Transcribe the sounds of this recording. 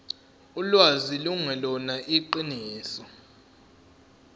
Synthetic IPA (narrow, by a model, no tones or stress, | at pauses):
ulwaziluŋɛlɔnaʔiǃiniːsɔ